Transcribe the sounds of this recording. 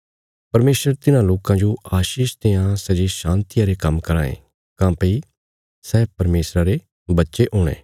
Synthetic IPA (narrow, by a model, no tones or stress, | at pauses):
pɐɾmeːsɾəɾt̪ɪnãloːkãd͡ʒoaːʃiːʃt̪eːãsɐd͡ʒeʃãːnt̪ɪjãɾekɐmkɐɾãːḛ̃ | kãːpi | sɛːpɐɾmeːsɾaɾe | bɐtːʃeʔoːɽ̃ḛ̃ː